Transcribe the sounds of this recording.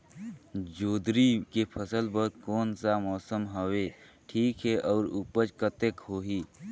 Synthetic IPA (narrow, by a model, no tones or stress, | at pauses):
d͡ʒoːd̪ɾikepʰəsəlbəɦd̪̚kɔːnsamɔːsəmɦəwe | ʈʰiːkɦɛʔɔːɾupəd͡ʒkət̪ekɦoɦiː